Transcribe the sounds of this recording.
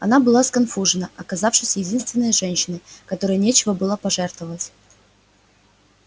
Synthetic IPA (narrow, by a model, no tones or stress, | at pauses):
ɐnabɨlˠaskɐnfuʐɨnəʔɐkɐzafʂɨsʲjɪdʲinst̪vʲɪnːəjəʐɛnʲɕɪnɨkɐt̪o̞ɾɨjənʲet͡ɕɪvəbɨlˠəpɐʐɛrt̪vəvətʲ